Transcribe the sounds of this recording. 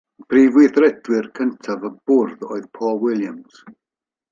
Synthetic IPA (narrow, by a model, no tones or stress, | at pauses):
b̥riːvwɪðrɛdwɪrkʰəntʰavəb̥ʊrðo̰ːɨðpʰɔːlˠwɪlˠjamz̥